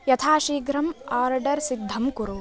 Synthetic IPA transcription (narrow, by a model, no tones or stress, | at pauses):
jɐt̪ʰaːʃiːɡɾɐmaːɾɖɐɾsid̪ʱːɐmkuɾu